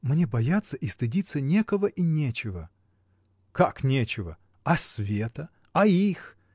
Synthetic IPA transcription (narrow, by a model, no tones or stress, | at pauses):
mnʲe̞bɐjat̪sːəʔist̪ɨdʲit̪sənʲe̞kəvəʔinʲet͡ɕɪvə | kaknʲet͡ɕɪvə̰ | ɐsʲvʲet̪ə | ɐix